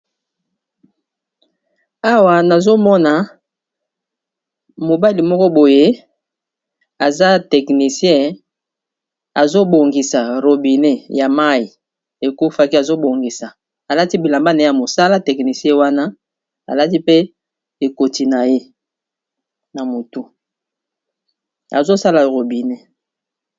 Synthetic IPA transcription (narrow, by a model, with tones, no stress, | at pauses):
a˦wa˨na˨zo˦mɔ˦na˨ | mo˨ba˦li˨mɔ˦kɔ˦bo˨je˦ | a˨za˦tɛ˨kni˨sjɛ̃˦ | a˨zo˦bo˨ŋɡi˨sa˨ʁo˨bi˨ne˦ja˨ma˦i˨ | e˨ku˦fa˦ki˦a˨zo˦bo˨ŋɡi˨sa˨ | a˨la˦ti˦bi˨la˨mba˦na˨˦ja˨mo˨sa˦la˦tɛ˨kni˨sjɛ̃˦wa˦na˦ | a̰˨la˦ti˦pe˦ | e˨ko˨ti˨na˨je˦ | na˨mo˨tu˦ | a̰˨zo˦sa˦la˨ʁo˨bi˨ne˦